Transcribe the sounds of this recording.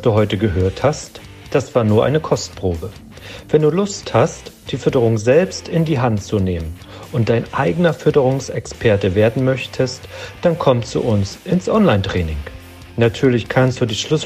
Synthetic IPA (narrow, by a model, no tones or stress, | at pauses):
d̥uːɦɔʏtəɡəɦøːɐthast | d̥asv̥aːɐnuːɐʔa̰ɪnəkʰɔstpʁ̥oːbə | vɛnduːlʊsthastd̥iːfʏɐtəʁ̞ʊŋzɛlpstɪndiːɦantt͡suneːmən | ʔʊnt̚d̥aɪnʔa̰ɪɡənɐfʏɐtəʁ̞ʊŋsɛkspʰɛɐtəveːɐdn̩mœçtʰəstd̥ankʰɔmtt͡sṵʔʊnsʔɪnsʔɔnlaɪntʁ̥ɛːnɪŋ | natʰyːɐlɪçkʰanstd̥uːdɪʃlʊs